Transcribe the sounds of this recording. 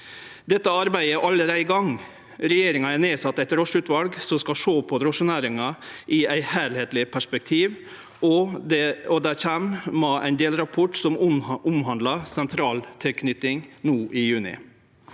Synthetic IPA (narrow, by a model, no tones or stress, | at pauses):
d̪ɛt̪ːəɑɾbæɪəʔɑlːəɾæɪɡɑŋ | ɾɛjeːɾɪŋɑæɾneːsɑt̪ːæɪt̪ɾoʂɭʉt̪ʋɑlɡsɔmskɑʂoːpʰɔɾɔʂʊnæːɾɪŋɑʔɪæɪhæːɭheːt̪lɪpʰæʂpɛk̚t̪ʰiːʋ | ɔd̪ɛɔd̪æçæmmɑʔæ̰ɪnd̪eːlɾɑpʰɔʈsɔmʊmɦɑnd̪lɑsɛnt̪ʰɾɑːlt̪ʰɪlkʰnʏt̪ɪŋnuːʔɪjʉːnɪ̰